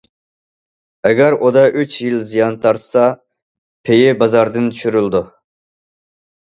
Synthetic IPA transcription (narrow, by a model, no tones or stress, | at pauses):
ɛɡʲæɾʔud̪ɑʔyt͡ʃjilzijɑnt̪ʰɑɾt̪ʰsɑ | pʰejɪbɑzɑɾd̪ɨnt̪ʰy̥ʃyɾyld̪u